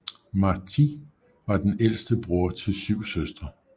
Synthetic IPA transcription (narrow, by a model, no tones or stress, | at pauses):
mɑ̈t͡sʰi | ʋɑ̈d̥enel̰sd̥əb̥ʁuɐt͡sʰe̝lsyʊ̰søsd̥ʁɐ